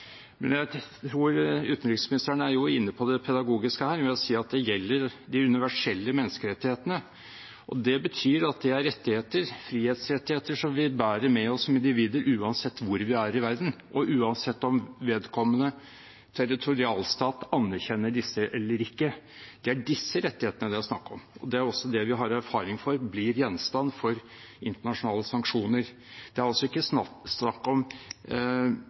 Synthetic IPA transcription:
mɛ̰njæɪt̪ʰɾuːɾʉːt̪n̩ɾɪksmɪnɪst̪əɳəæɾjʊɪnːəpʰɔd̪ɛpʰɛd̪ɑɡuːɡɪskəhæːɾʋɪlɔsiːɑt̪̚d̪ɛjɛlːəɾd̪ɪʉnɪʋæʂɛlːəmɛnːəskəɾɛt̪ːɪheːt̪ənə | ʔɔ̰d̪ɛbət̪ʰyːɾɑt̪̚d̪ɛæɾːɛt̪ːɪheːt̪əɾfɾiːheːt̪sɾɛt̪ːɪheːt̪əʂɔmʋɪbæːɾəmɛɔsːɔmɪnd̪ɪʋiːd̪əɾʔʉːɑnsɛt̪ːʋʊɾʋɪæɾɪʋæɾd̪n̩ʔɔʔʉːɑnsɛt̪ːɔmʋeːd̪kʰɔmːənə | t̪ʰɛɾɪt̪ʰʊɾɪɑːlst̪ɑːt̪ɑnːæɾçɛnːəɖɪsːəʔɛlːəɾɪkːə | d̪̥ɛæɖɪsːəɾɛt̪ːɪheːt̪ənəd̪ɛɔsnɑkːɔmɔd̪ɛæɾɔsːɔd̪ɛʋɪɦɑɾæɾfɑːɾɪŋfɔɾblɪɾjɛnːst̪ɑnːfɔɾ | ɪnt̪əɳɑʂʊnɑːləsɑŋkʂuːnəɾ | d̪̥ɛæɾɑlsɔɪkːəssnɑkːɔm

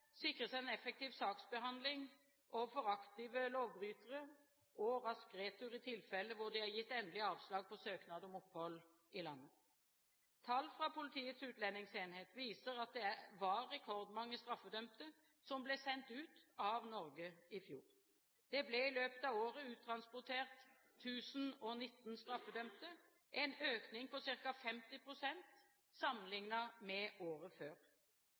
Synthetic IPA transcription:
sɪkʁəsæɪɛnɛfɛk̚t̪iːʋsɑːksbəɦɑnd̪lɪŋ | ʔɔfɔʁɑkt̪ɪʋəloːʋbɾyːt̪əʁə | ɔʁɑskʁeːt̪ʉɾɪt̪ʰɪlfɛlːəʋʊd̪ɪhɑːʁjɪt̪ːɛnd̪əlɪɑːʋslɑːɡ̚pʰɔsøːknɑːd̪əɔmɔphɔlː | ɪlɑnːə | t̪ʰɑlːfʁɑpʰʊlɪt̪ʰiːət̪sʉːt̪lɛnːɪŋseːnheːt̪ʋiːsəʁɑt̪̚d̪ɛæʋɑʁɛkʰɔʁd̪mɑŋːəst̪ɾʁɑfːəd̪œmt̪ə | sɔmblɛsɛnt̪ʉːt̪ɑʋnɔʁɡəɪfjṵːʁ | d̪̥ɛblɛɪløːpət̪ɑʋoːʁəʉːt̪ʰɾɑnspʊt̪ʰeːʁt̪ʰː | ʉːsn̩ɔnɪt̪ːnst̪ɾɑfːəd̪œmt̪ə | ʔɛnøːknɪŋpɔsɪʁkɑfɛmt̪ɪpʰʁʊsɛnt̪ | sɑmːənlɪŋnɑmɛʔoːʁəføːʁ

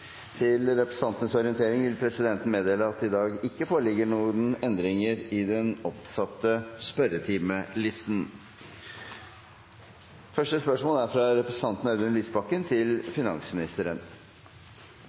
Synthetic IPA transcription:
t̪ʰɪlɾɛpɾɛst̪ɑnt̪ənəsɔɾɪənt̪ʰeːɾɪŋʋɪlpʰɾɛsɪd̪ɛnt̪n̩meːd̪eːləɑt̪ɪd̪ɑːɡɪkːəfoːɭɪɡəɳuːnɛnd̪ɾɪŋəɾɪd̪ɛnɔpsɑt̪ːəspœɾət̪ʰiːməlɪst̪n | fœʂʈəspœʂmoːlæɾfɾɑɾɛpɾɛst̪ɑnt̪n̩ɑʉd̪ənliːsbɑkːənt̪ʰɪlfɪnɑ̰nsmɪnɪst̪əɾən

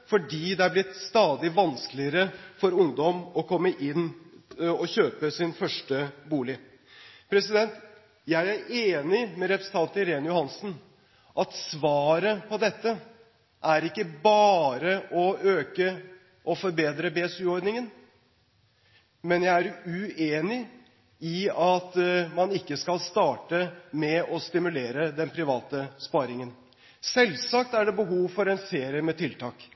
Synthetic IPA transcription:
fɔɖiːd̪ɛɑɾblɪt̪ːst̪ɑːd̪ɪʋɑnsklɪəɾəfɔɾʊŋd̪ɔmɔkʰɔmːəʔɪnː | ɔçøːpəsɪnfœʂʈəbuːlɪ | pʰɾɛsɪd̪ɛnt̪ | jæɪæɾeːnɪmɛɾɛpɾəsn̩t̪ʰɑnt̪ɪɾeːnəjʊhɑnsn̩ | ʔɑt̪sʋɑːɾəpʰɔd̪ɛt̪ːə | ʔæɾɪkːəbɑːɾəʔɔøːkə | ʔɔfɔɾbeːd̪ɾəbeɛsʉːɔɾd̪nɪŋən | mɛnjæɪæɾʉeːnɪ | ɪɑt̪mɑnɪkːəskɑlst̪ɑːʈəmɛɔst̪ɪmʉleːɾəd̪ɛnpʰɾɪʋɑːt̪əspɑːɾɪŋən | sɛlsɑk̚t̪æɖɛbəɦuːʋfɔɾɛnseːɾɪəmɛt̪ʰɪlt̪ʰɑːk

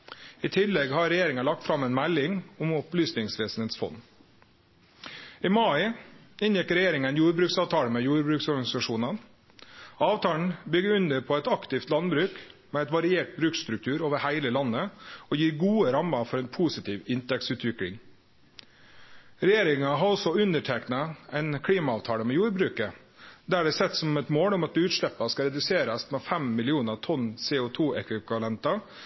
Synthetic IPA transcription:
ɪt̪ʰɪlːɛɡhɑɾɛjeːɾɪŋɑlɑk̚t̪fɾɑmɛːnmælːɪŋʊmɔplyːsnɪŋsʋeːsn̩heːt̪sfɔ̰nː | ɪmɑɪ | ɪnjɛkɾɛjeːɾɪŋənjuːɾbɾʉːksɑːʋt̪ʰɑːlmɛjuːɾbɾʉːksɔɾɡɑnɪsɑʂuːnən | ɑːʋt̪ʰɑːɳ̩bʏɡəʉnd̪əɾpʰɔɛt̪ɑkt̪ɪft̪lɑnbɾʉːkmɛɛt̪ʋɑɾɪeːʈ̚bɾʉːkst̪ɾʉk̚t̪ʰʉːɾoːʋəɾhæɪləlɑnːəɔjiːɾɡuːəɾɑmːɑfɔɾɛɪnpʰusɪt̪ʰiːʋɪnt̪ɛk̚sʉːt̪ʋɪkɽɪ̰ŋ | ɾɛjeːɾɪŋɑɦɑɾɔsɔʉnəʈʰɛknɑɛɪnkʰɽiːmɑɑːʋt̪ʰɑːɽəmɛjuːɾbɾʉːkə | d̪æɖɛsɛt̪ːsɔmɛt̪moːɽɔmɑt̪ʉːt̪ʂɭɛpːɑskɑɾɛd̪ʉseːɾəsmɛfɛmmɪlɪuːnət̪ʰɔnseːʊt̪ʰuːɛkʋɪʋɑlɛnt̪ɑ

